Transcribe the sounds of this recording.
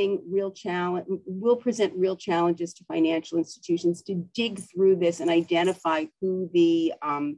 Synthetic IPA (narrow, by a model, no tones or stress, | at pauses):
ɪ̃ŋɹilˠt͡ʃʰælˠə̃wɪlˠpʰɹ̥izɛ̃nʔɹilˠt͡ʃʰælˠə̃nd͡ʒɨz̥tʰɨfãɪ̃næ̃nʃl̩ˠɪ̃nstɨ̥tʰʉʃn̩z̥tʰɨdɪɡθɹʉðɪsɨ̃naɪdɛ̃ɾ̃ɨfaɪhuðɨ